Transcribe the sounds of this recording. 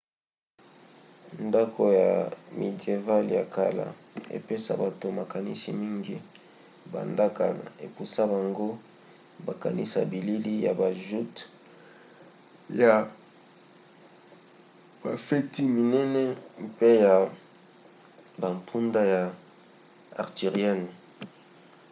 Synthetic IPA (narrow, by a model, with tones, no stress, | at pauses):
nda˦kʰo˨ja̰˨me˨di˨e˨va˦lja˨ka˨la̰˨ | ḛ˨pe˦sa̰˦ba˨to˨ma˨ka˨nḭ˦si˦mi˦ŋɡi˦ | ba̰˨nda˦ka˨la̰˨e˨ku˨sa˦ba˨ŋɡo˦ | ba˨ka̰˨nḭ˦sa̰˨bi˨li˦li˦ja˨ba˨ʒu˦t | ja˨ | b̥a˨fe˦ti˦mi˨nɛ˦nɛ˦pe˦ja˨ | ba˨mpʰu˦nda˦ja˨ | a̰˨ʁti˨ʁi˦ɛ˦n˨